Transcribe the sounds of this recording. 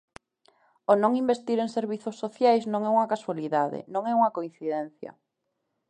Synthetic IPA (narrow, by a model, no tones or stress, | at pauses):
onõŋimbest̪iɾeŋseɾβiθosːoθjajznõŋɛuŋɐkaswaliðaðɪ̰nõŋɛuŋɐkoĩn̟θiðɛnθjɐ̰